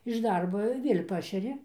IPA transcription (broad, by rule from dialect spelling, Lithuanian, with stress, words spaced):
ɪʃ ˈdɐrboː ɪr ˈʋʲiɛlʲ ˈpɑːʃʲɛrʲɪ